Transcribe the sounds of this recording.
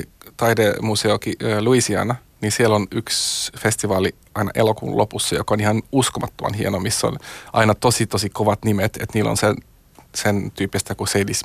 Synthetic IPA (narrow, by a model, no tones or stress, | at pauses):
t̪ɑidemuseokiøːluisiɑ̰nɑ | ninsielonyksfest̪iʋɑːli | ɑinɑ̰ʔelokṵːnlʔopusːɑjo̰kɑonihɑnuskomɑt̪ːomɑ̰nhienomisːo̰nʔɑinɑt̪osit̪osikoʋɑt̪nimet̪ḛt̪niːlːo̰nsen | sent̪yːpːist̪ækusedis